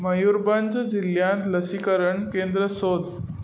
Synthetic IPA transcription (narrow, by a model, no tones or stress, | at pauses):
məjuɾband͡zd͡ʑiljãt̪ləsikəɾəɳkend̪ɾəsod̪